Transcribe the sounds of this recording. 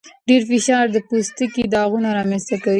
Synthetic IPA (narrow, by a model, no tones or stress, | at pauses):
ɖeɾfɪʃɑɾd̪əpust̪əkid̪ɑɣunaɾɑmenst̪akawi